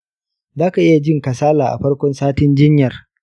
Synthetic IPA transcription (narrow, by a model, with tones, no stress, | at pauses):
zaː˦ka˨ʔɪ˦ja˨d͡ʒɪ˦˨ŋkɐ˨saː˦laː˨ʔa̰˨ɸɐ˦ɽkʷɔ˦nsaː˦tɪ˦nd͡ʒɪ˦ɲjɐ˨r